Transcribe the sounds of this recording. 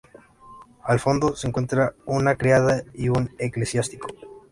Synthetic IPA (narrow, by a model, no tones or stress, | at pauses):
alfo̞nd̪o̞se̞ŋkwe̞nt̪ɾaunakɾeaðaiune̞kle̞sjast̪iko̞̥